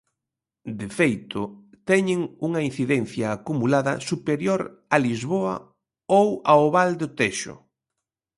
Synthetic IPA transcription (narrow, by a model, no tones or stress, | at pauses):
d̪efejt̪ʊ | t̪ɛɲɪŋuŋɐin̟θiðɛnθjaːkumulaðɐ̰supeɾjoɾalizβoɐ̰ | owaoβald̪ʊt̪eʃʊ̰